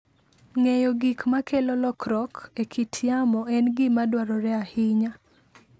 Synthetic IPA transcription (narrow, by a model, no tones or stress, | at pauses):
ŋejɔɡikmakʰelɔlɔkɾɔkekʰitʰjamɔɛnɡɪmadwaɾɔɾɛahɪɲa